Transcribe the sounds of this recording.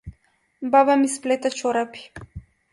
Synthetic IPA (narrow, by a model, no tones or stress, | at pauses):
bavamisplɛt̪at͡ʃɔɾapi̥